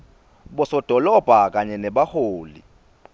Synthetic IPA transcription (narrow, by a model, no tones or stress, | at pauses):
ɓɔsɔd̥ʱɔlɔb̥ʱak̬aɲɛnɛɓahoːlḭ